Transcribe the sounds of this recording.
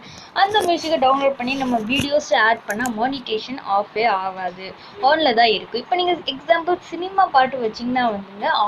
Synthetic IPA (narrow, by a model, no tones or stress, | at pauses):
ɐnd̪ɐmjuːsɪkːɐ̃ɖɐʊnloːɖ̚pɐɳːinɐmːɐʋiːɽɪjoːslɐaːɖ̚pɐɳːaːmɔːnɪʈeːʂɐnaːfʋeːɾaːʋaːðɯ | fɔːnlɐt̪ãːɪɾɯkːɯ̃ɪpːoːniːŋɡɐɛksaːmbɐlsɪnɪmaːpaːɾʈːɯʋɐt͡ʃːɪŋɡɐnãːʋɐnd̪ɯːŋɡɐː